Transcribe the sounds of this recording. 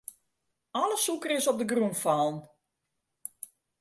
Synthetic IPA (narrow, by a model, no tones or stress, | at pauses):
ɔləsukərɪsɔp̚dəɡrunfɔlˠn